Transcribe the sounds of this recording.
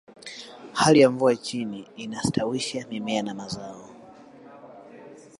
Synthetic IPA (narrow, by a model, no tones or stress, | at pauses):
halijaɱvuat͡ʃiniːnastʰawiʃamimɛanamazaɔ